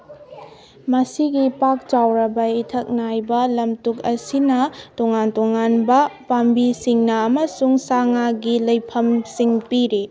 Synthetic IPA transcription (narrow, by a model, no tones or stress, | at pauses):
mɐsiɡipak̚t͡ʃawɾɐbɐitʰɐk̚najbɐlɐmtukɐsinɐtɔŋantɔŋanbɐpambisiŋnɐːmɐsuŋsaŋaɡilɐjpʰɐmsiŋpiɾe